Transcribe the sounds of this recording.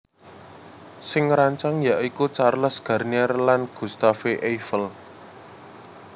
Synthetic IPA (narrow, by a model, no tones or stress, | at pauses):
sɪŋɾaɲt͡ʃaŋjaʔikut͡ʃarləsɡ̥ä̤rniarlanɡ̥ṳst̪afeʔejfəl